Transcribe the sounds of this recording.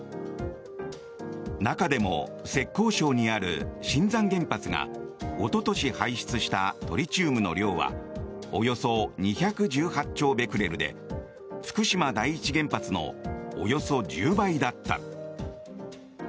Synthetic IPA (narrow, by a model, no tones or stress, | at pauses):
nakad̪e̞mo̞̰se̞kːo̞ːɕo̞ːɲ̟iaɾɯ̟̰ɕĩnd͡zãŋɡẽ̞mpat͡sɨɡa̰ot̪o̞t̪o̞ɕihaiɕi̥t͡sɨɕi̥t̪at̪o̞ɾʲit͡ɕɨːmɯ̟no̞̰ɾʲo̞ːβa̰ | ojo̞so̞ɲ̟içakɯ̟ʑɨːhat͡ɕːo̞ːbe̞kɯ̟ɾe̞ɾɯ̟d̪e̞̰ | fɯ̥kɯ̟ɕimad̪aiːt͡ɕiɡẽ̞mpat͡sɨno̞̰ːjo̞so̞d͡ʑɨːbaid̪at̪ːa̰